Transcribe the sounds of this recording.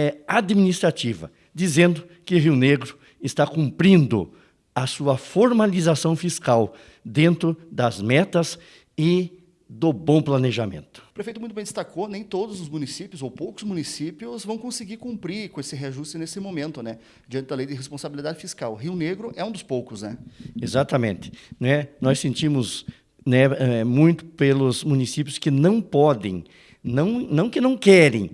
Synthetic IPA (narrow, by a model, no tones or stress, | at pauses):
ɛad̪minist̪ɾat͡ʃivɐ̰ | d͡ʒ̪izẽnd̪ʊ | kɪɦiwneɡɾʊ | ɪst̪akũmpɾĩnd̪ʊ̰ | ɐsuɐfoɾmalizasɐ̃w̃fiskaw | d̪ẽnt̪ɾʊd̪ɐzmɛt̪ɐz | ɪ | d̪ʊbõplaneʒamḛ̃nt̪ʊ̥pɾefejt̪ʊmũt̪bẽd̪ɪst̪akʰonẽj̃t̪od̪ʊzʊzmunisipjʊzowpowkʊzmunisipjʊzvɐ̃w̃kõsɪɡiɾkũmpɾikõesɪɦeaʒust̪ɪnesɪmomẽnt̪ʊnɛ | d͡ʒiɐ̃t̪ɪd̪ɐalejd̪ɪɦespõsabilid̪ad̪ɪfiskawɦiwneɡɾʊʔɛũd̪ʊspowkʊsnɛezat̪ɐmẽnt̪ɪ̥nɛnɔsːẽnt͡ʃ̪imʊz | nɛɛmũj̃t̪ʊ̥pelʊzmunisipjʊskɪnɐ̃w̃pɔd̪ẽj̃ | nɐ̃w̃nɐ̃w̃kɪnɐ̃w̃kɛɾḛ̃j̃